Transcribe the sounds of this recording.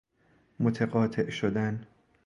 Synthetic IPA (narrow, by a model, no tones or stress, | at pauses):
mot̪ʰeɣɒːt̪ʰeʔʃod̪æn